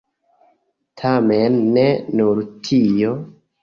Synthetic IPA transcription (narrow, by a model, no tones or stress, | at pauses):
tʰamenːenuɾtʰijo